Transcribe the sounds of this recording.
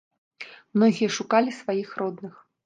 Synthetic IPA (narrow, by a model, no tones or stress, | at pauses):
mnɔɣʲijɐʂukalʲisvajixɾɔd̪nɨx